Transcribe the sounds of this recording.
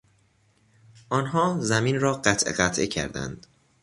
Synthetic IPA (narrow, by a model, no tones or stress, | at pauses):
ʔɒːnɦɒːzæmiːnɾɒːɢæt̪ʰʔḛɢæt̪ʰʔḛcʰæ̰ɾd̪æ̰nd̪̥